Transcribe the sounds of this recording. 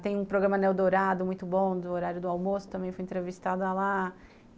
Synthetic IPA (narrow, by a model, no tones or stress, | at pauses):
t̪ẽj̃ũpɾoɡɾɐ̃mɐnɛwd̪oɾad̪ʊmũj̃t̪ʊbõd̪ʊoɾaɾjʊd̪ʊawmosʊ̥t̪ɐ̃mbẽj̃fojĩnt̪ɾevist̪ad̪ʊala